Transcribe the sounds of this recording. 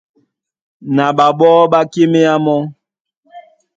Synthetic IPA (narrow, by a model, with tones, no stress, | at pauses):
na˨ɓa˨ɓɔ˦ɓa˦ke˦me˦a˦mɔ˦